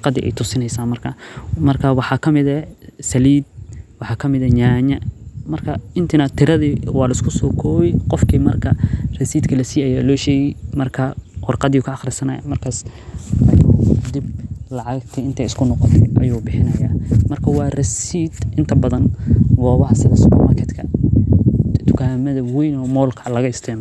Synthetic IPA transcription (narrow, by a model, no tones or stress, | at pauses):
ʊqɑðiʔɛ̰jt̪ʰʊsɪnɛjsaːmɐrkʰɐmɐrkʰɐwɑħɑːkʰɐmɪðɐsɐliːd̪̚wɑħɑːkʰɐmɪðɐɲaːɲɐmɐrkʰɐɪnt̪ʰɪnɐt̪ʰɪɾɐðiwɑːlɐɪskʰʊsɔːkʰɔːβɪqɔfkʰiːmɐrkʰɐrɐsiːd̪kʰɐlɐsiːɐjaːlɔːʃɛːjɛjmɐrkʰɐqʊrqɑðikʰɐːχrɪsɐnɐ̰mɐrkʰaːsɐjd̪ib̚lɑʕɑɡt̪ʰɛɪnt̪ʰɐɪskʰʊnɔqɔt̪ʰɛʔɐjuːbɪħɪnɐjaːmɐrkʰɐwɑːrɐsiːd̪ʔɪnt̪ʰɐbɐðɐnɡɔːβɐɦɐsɪðɐ̰skʊ̰mɐkʰɛt̪kʰɐ | t̪ʰʊ̥kʰaːmɐðɐwɛjnɔːmɔːlkʰɐlɐɣɐɪst̪ʰɛʕm